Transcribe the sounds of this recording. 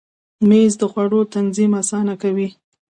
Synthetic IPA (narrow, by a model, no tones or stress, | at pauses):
mezd̪əxwaɽot̪anzimasɑnakawi